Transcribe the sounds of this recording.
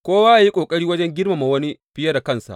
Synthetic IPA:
kʷoː˦waː˦ʔa˨ji˦kʷʼoː˨kʼɐ˦ɾiː˦wɐ˦d͡ʒɛ˦ŋɡʲɪ˦rma˨ma˨wɐ˦ni˦ɸɪ˦jɐ˦da˨kɐ˦˨nsa̰˨ʔ

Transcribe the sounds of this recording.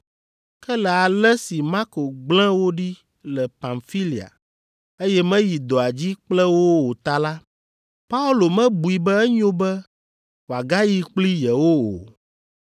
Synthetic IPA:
kɛ˦lɛ˨a˨lɛ˦si˨ma˦ko˨ɡ͡blɛ̃˦wo˦ɖi˦ | lɛ˨pã˨nfi˦li˨a̰˨ | e˦jɛ˦mɛ̃˦ji˨d̪o˨a˨d͡ʑi˦k͡plɛ˦wo˦wo˨t̪a˦la˦ | pa˦u˦lo˨mɛ̃˦bu˨i˨bɛ˦ɛ˦ɲõ˦bɛ˦ | wo˨a˨ɡa˦ji˦k͡pli˦jɛ˨wo˦o̰˨

